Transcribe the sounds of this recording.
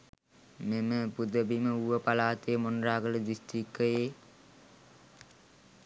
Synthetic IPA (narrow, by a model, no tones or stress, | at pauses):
meməpud̪əbiməuʋəpalaːt̪ejmonraːɡələd̪ist̪ikːəjeː